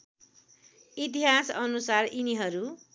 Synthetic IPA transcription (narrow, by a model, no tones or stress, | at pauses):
it̪̬iɦasʌnusariniɦʌɾu